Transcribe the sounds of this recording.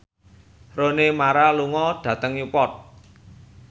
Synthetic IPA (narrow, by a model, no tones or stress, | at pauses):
ronemaɾaluŋɔɖ̥ä̤t̪əŋjupɔt̪̚